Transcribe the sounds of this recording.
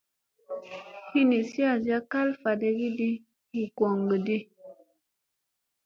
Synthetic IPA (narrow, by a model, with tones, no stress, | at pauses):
hi˦ni˨si˦a˨za˦ka˦lfa˨de˨ɡi˦di˦ | hi˨kwɔ˨ŋɡə˨di˦